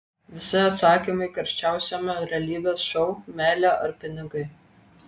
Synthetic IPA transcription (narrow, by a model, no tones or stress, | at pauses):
ʋʲɪsʲɪɐt̪sɑːkʲimɐɪkɐɾʲʃʲt͡ʃʲæˑʊsʲomʲɛɾʲɛlʲiːbʲeːsʃɔʊmʲæːlʲæːʔɐɾpʲɪnʲɪɡɐɪ